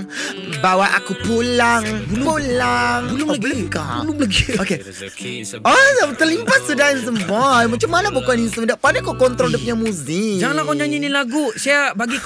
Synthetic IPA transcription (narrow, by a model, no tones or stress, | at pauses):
bawaʔa̰kupulaŋbulʊpulaŋbulləkabulʊŋbləɡioke | ɔsamt̪ərlimpassudains̬əmɔjmat͡ʃamːanabokaninst̪umədaʔpanakɔkɔnt̪ɾodəp̚ɲamuzɪd͡ʒaŋanlakɔɲaɲinilaɡusaabaɡi